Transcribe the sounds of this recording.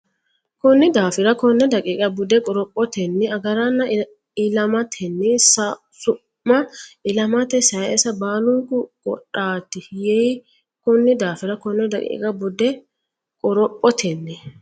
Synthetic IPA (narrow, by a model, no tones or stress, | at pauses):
kʊnːɪd̪aːfɪɾɐkɔnːɛd̪ɐkʼiːkʼɐbʊd̪ɛkʼɔɾɔpʼːɔt̪ɛnːɪɐɡɐɾɐnːɐ | ɪlɐmɐt̪ʰɛnːɪs | sʊ | mːɐɪlɐmɐt̪ɛsɐjɛsɐbaːlʊŋkʊkʼɔ̰ᶑaːt̪ɪjɛ | kʊnːɪd̪aːfɪɾɐkɔnːɛd̪ɐkʼḭːkʼɐbʊd̪ɛ | kʼɔɾɔpʼːɔt̪ʰɛnːɪ